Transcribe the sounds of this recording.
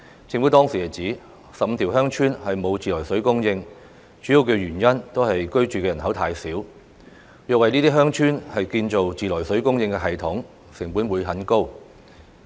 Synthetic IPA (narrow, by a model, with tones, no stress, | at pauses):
t͡sʰɪ˧˥ŋfu˨˥t̪ɔː˥ŋsiː˨˩hɐ˨˩t͡siː˨˥ | sɐ˨p̚m̩˧t̪ʰiː˨˩wɦœː˥ŋt͡ʃʰyː˥nhɐ˨jmo˨˧wt͡siː˨˩lɔː˨˩jsɵ˨˥ɥkʊ˥ŋjɪ˧ŋ | t͡ʃyː˨˥ji˧wkɵ˧ɥyː˨˩njɐ˥nt̪o˥whɐ˨jkɵ˥ɥt͡ʃyː˨kɛː˧jɐ˨˩nɦɐ˨˥wt̪ʰaː˧jsiː˨˥w | jœː˨wɐ˨jniː˥t̪iː˥ɦœː˥ŋt͡ʃʰyː˥nhɐ˨jkiː˧nt͡so˨wt͡siː˨lɔː˨˩jsɵ˨˥ɥkʊ˥ŋjɪ˧ŋkɛ˧ɦɐ˨jt̪ʰʊ˨˥ŋ | sɪ˨˩ŋpu˨˥nwuː˨˧jɦɐ˨˥nko˥w